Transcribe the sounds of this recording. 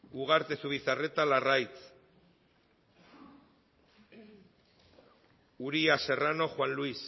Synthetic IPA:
uɣ̞aɾt̪e̞suβ̞iθare̞t̪alarajt͡s | uɾiase̞rano̞xwanluis

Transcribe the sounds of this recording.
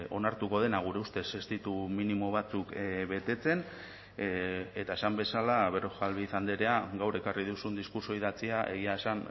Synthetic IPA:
o̞̰naɾt̪uko̞ðe̞naɣ̞uɾe̞ust̪e̞sest̪it̪uminimo̞β̞at͡sukβe̞t̪e̞t͡se̞n | e̞t̪ae̞sambe̞salaβeɾoxalβiθand̪eɾe̞aɡawre̞karið̞usund̪iskuɾso̞iðat͡siaʔe̞̰ɣiaesan

